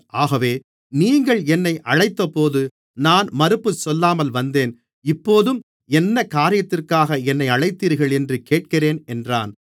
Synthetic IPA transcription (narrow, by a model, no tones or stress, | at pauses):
ʔaːɣɐʋeː | niːŋɡɐɭɛnːɐɪʔɐɻɐɪt̪ːɐpoːðɯ | naːnmɐɾɯpːɯsɔlːaːmɐlʋɐnd̪eːn | ɪpːoːðɯm | ɛnːɐkaːɾɪjɐt̪ːɪrkaːɣɐɛnːɐɪɐɻɐɪt̪ːiːɾɣɐɭɛndrɯkeːʈ̚kɪreːnɛndra̰ːn